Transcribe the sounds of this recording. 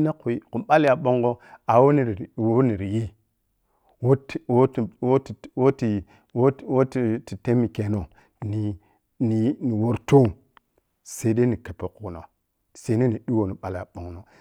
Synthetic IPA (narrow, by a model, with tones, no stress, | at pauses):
na˦ku˨i˦ku˨mɓa˦la˨ɓo˦ŋɡo˦a˨wo˦ni˨ɾwo˦ni˨ɾi˨ji˦ | wo˦two˦˨wo˦ti˨wo˦ti˨ | wo˦wo˦ti˨ti˨te˦mi˨ke˨no˨ | ni˨ | ni˨ni˨wo˦ɾto˦ŋ | se˦de˦ni˨ke˨pe˨˦ku˨no̰˨ | se˦ne˦ni˨ɗi˦wo˨ni˨ɓa˨lja̰˨ɓo˨ŋno˨